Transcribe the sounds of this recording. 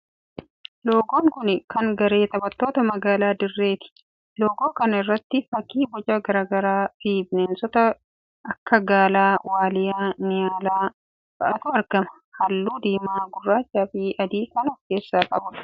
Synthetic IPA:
lo̞ːɡo̞ːŋkʊnɪkɐŋɡɐɾe̞ːt̪ɐbɐt̪ːo̞ːt̪ɐmɐɡaːlaːd̪ɪrːe̞ːt̪ɪ̥ | loːɡo̞ːkɐnɐɪrːɐt̪ːɪfɐkːiːbɔd͡ʒɐɡɐɾaːɡɐɾaːt̪iːbnɛnsɔt̪ɐ | ɐkːɐɡaːlaːwaːlɪjaːnɪjaːlaː | b̥ɐ̰ʔɐt̪ʊɐɾɡɐmɐ̥ | hɐlːuːd̪iːmaːɡʊrːaːt͡ʃːaːfiʔɐd̪iːkɐnɔfke̞ːsːaːkʼɐ̰bʊᶑɐ̥

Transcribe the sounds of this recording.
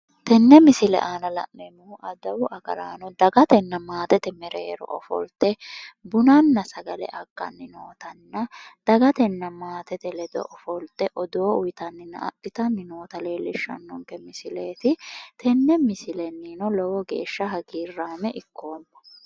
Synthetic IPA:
t̪ɛnːɛmɪsɪlɛ̰ʔaːnɐlɐ̰ʔmɛmuʔɐd̪ɐwʊʔɐɡɐ̰la̰ːnɔd̪ɐɡɐt̪ɛnːɐmaːt̪ɛt̪ɛmɛɾeːɾɔ̰ʔɔfɔ̰lt̪ɛbʊnɐnːɐsɐɡɐlɛ̰ʔɐkːɐ̰nːɪnoːt̪ɐnːɐd̪̥ɐɡɐt̪ɛnːɐmaːt̪ɛt̪ɛlɛd̪ɔ̰ʔɔfɔlt̪ɛʔɔd̪oːʊjɪt̪ɐnːɪnːɐ̰ɐ̰ʔɪt̪ɐnːɪnoːt̪ɐle̞ːlːɪʃːɐ̰nːɔŋkɛmɪsɪleːt̪ɪt̪ʰɛnːɛmɪsɪlɛnːiːnɔlɔwɔɡe̞̰ːʃːɐɦɐɡiːrːaːmɛʔɪkːoːmːɐ̥

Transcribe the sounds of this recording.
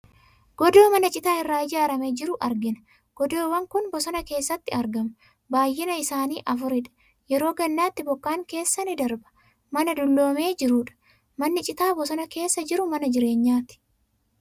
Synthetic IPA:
ɡ̥ɔd̪o̞ːmɐnɐt͡ʃʼɪt̪aːhɪrːaːɪd͡ʒaːɾɐmeːd͡ʒɪɾʊʔɐɾɡɪnɐ̥ | ɡ̥ɔd̪oːwɐŋkʊnbɔsɔnɐke̞ːsːɐt̪ːɪɐɾɡɐmɐ | baːjːɪnɐɪsaːniːʔɐfʊɾɪᶑɐ̥ | jɛɾo̞ːɡɐnːaːt̪ːɪbɔkːaːŋke̞ːsːɐnɪd̪ɐɾbɐ̥ | mɐnɐd̪ʊlːo̞ːme̞ːd͡ʒɪɾuːᶑɐ̥ | mɐnːɪt͡ʃʼɪt̪aːbɔsɔnɐke̞ːsːɐd͡ʒɪɾʊmɐnɐd͡ʒɪɾe̞ːɲːaːt̪ɪ̥

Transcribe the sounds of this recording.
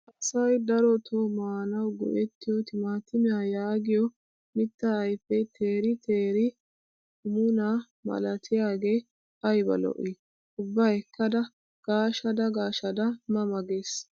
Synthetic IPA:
ʔɐsɐjd̪ɐɾɔt̪ʰomaːnɐwɡɔ̰ʔɛt̪ːɪjɔt̪ɪmaːt̪ːɪmɪjaːjaːɡɪjɔ | mɪt̪ːɐːjpːɛt̪ʰeːɾɪt̪ʰe̞ːɾɪ | ʊmʊnaː | mɐ̰lɐt̪ʰɪjaːɡe̞ː | ɐjbɐ̰lɔ̰ʔi | ʊbːɐɛkːɐd̪ɐ | ɡ̥aːʃɐd̪ɐɡaːʃɐd̪ɐmɐmɐɡeːs

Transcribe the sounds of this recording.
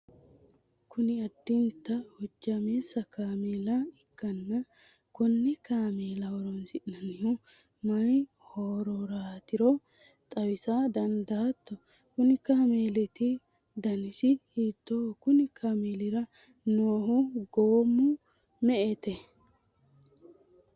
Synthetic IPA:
kʰʊnɪɐd̪ːɪnt̪ːɐhʊd͡ʒːɐmeːsɐkaːmeːlɐɪkːɐnːɐ | kʊnːɛkaːmeːlɐhɔɾɔnsɪʔnɐnɪhɔ | mɐj | hoːɾɔɾaːt̪ɪɾɔ | t̪ʼɐwɪsad̪ɐnd̪ɐːt̪ːɔ | kʊnɪkaːmeːlɛt̪ɪ | d̪ɐnɪsɪhiːt̪ːokʊnɪkʰaːmeːlɪɾɐ | noːɦʊɡoːmːʊ | mɛʔɛt̪ɛ

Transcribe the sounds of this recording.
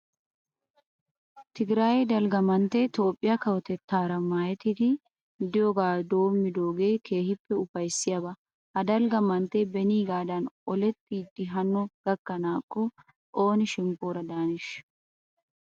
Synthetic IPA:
t̪ɪɡɪɾaːjd̪ɐlɡɐmɐnt̪ːet̪o̞ːpʼːɪjɐkɐwɔt̪ɛt̪ːaːɾɐmaːjɛt̪ːɪd̪ɪ | d̪ɪjoɡaːd̪o̞ːmːɪd̪o̞ːɡe̞ːkʰe̞ːhɪpːɛʊfɐjsːɪjɐbɐ | hɐd̪ɐlɡɐmɐnt̪ːebɛniːɡaːd̪ɐnʔɔlɛt̪ʼːiːd̪ɪɦɐnːɔɡ̥ɐkːɐnaːkʼːɔ | ʔoːnɪʃɪmpʼːoːɾɐd̪aːnɪʃ

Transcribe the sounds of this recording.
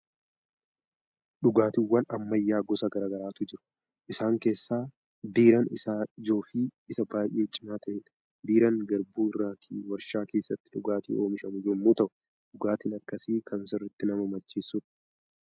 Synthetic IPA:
ᶑʊɡaːt̪ɪwːɐnɐmːɐjːaːɡɔsɐɡɐɾaːɡɐɾaːt̪ʊd͡ʒɪɾʊ̥ | ʔɪsaːŋke̞ːsːaː | biːɾɐnɪsaːɪd͡ʒo̞ːfiːɪsɐbaːjʔe̞ːt͡ʃʼɪmaːt̪ɐʔɪᶑɐ̥ | biːɾɐŋɡɐɾbuːɪrːaːt̪ʰḭːwɐɾʃaːke̞ːsːɐt̪ːɪ̥ᶑʊɡaːt̪ḭːo̞ːmɪʃɐmʊd͡ʒɛmːuːt̪ɐʔʊ | ᶑʊɡaːt̪ɪnɐkːɐsiːkʰɐnsɪrːɪt̪ːɪnɐmɐmɐd͡ʒːeːsːʊn

